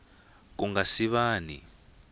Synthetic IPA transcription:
k̬uŋasiɓaːnḭ

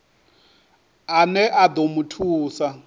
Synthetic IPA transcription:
anɛʔad̪omutʰuːsa

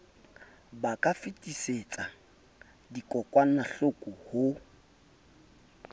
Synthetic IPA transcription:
bakʼafɪtʼiset͡sʼa | dikʼɔkʼwan̩naɬʊkʼʊhʊ

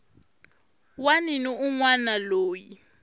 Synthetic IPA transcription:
waniniuŋwanaloːji

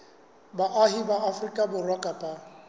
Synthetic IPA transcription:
baʔaɦibaafrikʼabʊrwakʼapʼa

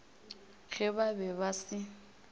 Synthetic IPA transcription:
ɣʰɛβabɛβasɪ

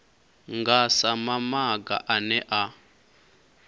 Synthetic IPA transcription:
ŋɡasamamaɡa̰ʔanɛʔa

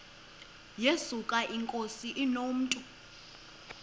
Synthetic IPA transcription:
jesukʼaʔiŋkʼosiʔinom̩ːtʼu

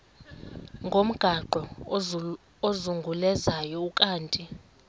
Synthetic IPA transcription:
ŋɡʱom̩ɡ̥ʱaǃʱɔ | ozuŋɡʱulɛzajɔukʼaːntʼi

